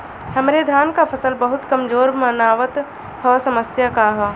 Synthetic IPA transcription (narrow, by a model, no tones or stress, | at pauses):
hɐmɾed̪ʱaːnkapʰɐsəlbɐɦʊt̪kɐmzoːɾmɐnaːʋət̪ | hɔːsɐməsjakaɦɔː